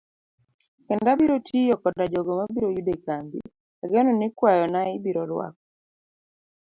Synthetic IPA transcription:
kɛndabiɾotʰijɔkɔdad͡ʒɔɡɔmabiɾojudekambḭ | aɡɛnɔnikwajɔnaɪbiɾɔɾwa̰k̚ɔ

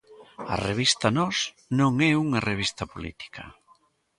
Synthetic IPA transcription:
ɐ̰reβist̪ɐnɔs | nõŋɛuŋɐreβ̞ist̪ɐpolḭt̪i̥kʰɐ̰

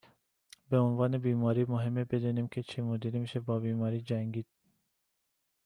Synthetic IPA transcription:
beonvɑːnebiːmɒːɾiːmoɦemːebed̪uːniːmkʲʰet͡ʃʰemod̪iɾemiːʃebɒːbiːmɒːɾiːd͡ʒæŋɡiːd̪̥̚

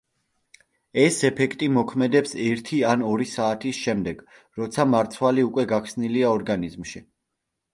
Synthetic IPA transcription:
ɛsɛpʰɛkʰt̪ʼimɔkʰmɛd̪ɛpsɛɾt̪ʰianɔɾisaːt̪ʰisʃɛmd̪ɛɡ̥ | ɾɔt̪sʰamaɾt̪sʰwaliukʼwɛɡakʰsniliaɔɾɡanizmʃi

